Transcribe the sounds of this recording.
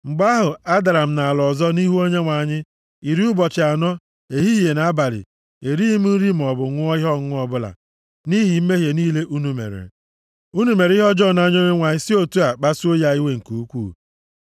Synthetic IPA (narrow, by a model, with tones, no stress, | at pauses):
ŋ͡m̩˨ɡ͡ba˦ɦʊ˨a˦da˨ɾa˨m̩˨na˨a˨lɔ˨zɔ˦ni˦ɦu˦o˦ɲe˦ŋʷa˨ɲɪ˦ | i˨ɾi˦ʊ˦bɔ˨t͡ʃɪ˨a˨nɔ˦ | e˨ɦi˦je˨na˨a˦ba˨ɾɪ̰˨ | e˨ɾi˦i˦mu˦ɾi˦m̩˨ɔ˨bʊ˨ŋʷʊ˦ɔ˦ɦɔ˦ʊ˦ɔ˦bʊ˦la̰˨ | ni˦ɦi˨m̩˦me˦ɦje˨niː˦le˦ʔu˦nu˨mḛ˨ɾḛ˨ | u˦nu˨˦me˨ɾi˦ɦɔ˦d͡ʒɔ˦˨na˦ɲo˦ɲe˦ŋʷa˨ɲɪ˦si˦o˦tu˦a˨k͡pa˦su˦o˦ja˦i˦we˦ŋ̩˨ku˨u˦kʷuː˦˨